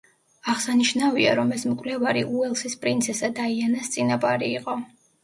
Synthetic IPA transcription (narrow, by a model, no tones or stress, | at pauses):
aʁsaniʃnavia̰ɾɔmɛsmkʼvlɛvaɾiʔuɛlˠsispʼɾint̪sʰɛsad̪aianast̪sʼinapʼaɾiːqʼɔ